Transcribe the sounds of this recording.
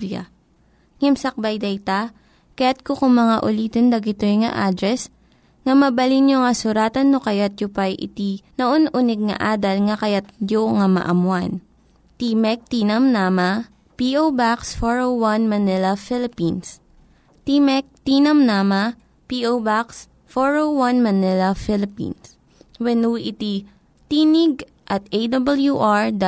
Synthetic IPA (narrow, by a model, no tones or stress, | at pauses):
a̰ | ŋɛmsɐk̚bajd̪ɛjt̪ɐ | kɐjat̪̚kokʊŋmɐŋaʔʊliːt̪ond̪ɐɡɪt̪ojŋɐ̰ʔaːd̪ɾɛs | ŋɐmɐbɐlinjoŋɐsʊɾaːt̪ɐnːokɐjat̪̚jʊpajʔɪ̰t̪inɐʔonʔʊnɛɡ̚ŋɐ̰ʔaːd̪ɐlŋɐkɐjat̪̚joŋɐmɐ̰ʔɐmwan | t̪imɛk̚t̪iːnɐmnamɐ | piʔowbaksfoɹowwanmɐnɪlɐfɪlɪpins | t̪imɛk̚t̪iːnɐmnaːmɐ | piʔobaks | foɹowwanmɐnɪlɐfɪlɪpḭns | wɛnuʔɪt̪i | t̪iːnɪɡ̚ | ʔɐt̪ejd̪ɐbɐljuʔaɹd̪